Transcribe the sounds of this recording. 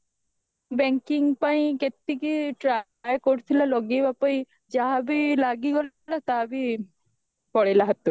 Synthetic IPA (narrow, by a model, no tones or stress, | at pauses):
bɛŋkiŋpaĩket̪ːikiʈɾa | jkoɽt̪ʰilalɔɡibapɔj | d͡ʒaɦabilaɡiɡɔl | ñat̪abi | pɔɽelaɦat̪u